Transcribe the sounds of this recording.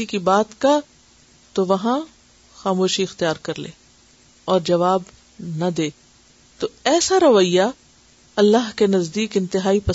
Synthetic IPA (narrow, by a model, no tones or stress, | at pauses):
ikibaːt̪ka | t̪oʋɐɦã | xaːmoːʃiɪxt̪ijaːɾkɐɾlḛː | ɔːɾd͡ʒɐʋaːb | nɐd̪eː | t̪oɛːsaɾɐʋəjːa | ɐlːaɦkenɐzd̪iːkɪ̃nt̪ɪɦaːipɐ